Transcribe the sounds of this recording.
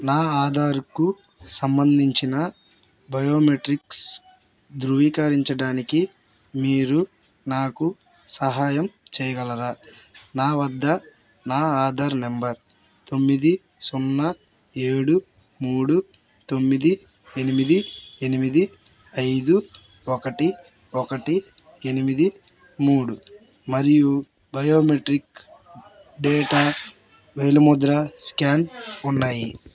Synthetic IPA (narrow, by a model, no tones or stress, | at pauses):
naːaːd̪ʱaːɾuku | sɐmbɐnd̪ʱiɲt͡ʃinɐ | bɐjo̞ːmeʈɾiks | d̪ɾuʋiːkɐɾiɲt͡ʃɐɽaːniki | miːɾu | naːku | sɐɦaːjɐmt͡ʃɛːjɐɡɐlɐɾaːnaːʋɐd̪ːɐ | naːaːd̪ʱaːɾnembɐɾ | t̪omːid̪i | sunːɐ | eːɽu | muːɽu | t̪o̞mːid̪i | enimid̪ie̞nimid̪i | ɐjd̪u | ɔkɐʈi | ɔkɐʈi | e̞nimid̪i | muːɽu | mɐɾiju | bɐjo̞ːmeʈɾik | ɖeːʈa | ʋejlɐmud̪ɾɐskaːnunːaːji